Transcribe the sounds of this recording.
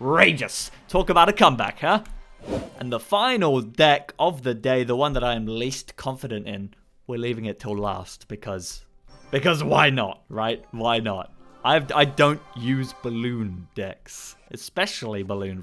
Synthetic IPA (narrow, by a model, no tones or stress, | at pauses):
ɹeɪd͡ʒɨstʰɔkəbaʊɾɨkʰʌ̃mbæ̰kha | ʔɨ̃nðəfãɪ̃nl̩ˠdɛkʌvðɨdeɪðəwʌ̃nðəɾaɪɨ̃mliskʰɑ̃ɱfɨɾɨ̃ntɪ̃n | wə˞livɪ̃ŋɨtʰəlˠlæ̰st̚b̥ɨkʰʌz̥ | b̥ɨkʌzwaɪnə̰t̚ɹaɪt̚waɪnə̰t̚ʔaɪva̰ɪdõʊ̃nʔjʉzbəlʉ̃nd̥ɛksʔɨspɛʃl̩ˠibəlʉ̃n